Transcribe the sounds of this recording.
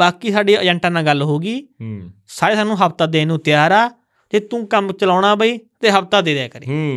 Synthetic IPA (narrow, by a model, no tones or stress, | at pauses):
baːkiːsaːɖeːəd͡ʒɛ̃ɳʈãːnãːɡəlɦoːɡiː | saːɾeːsaːnːũːɦəpt̪aːd̪eːnũːt̪ɪjaːɾaː | t̪eːt̪ũːkəmt͡ʃəlaːɽ̃aːbəiːt̪eːɦəp̚t̪aːd̪eːd̪ɛːkəɾḛː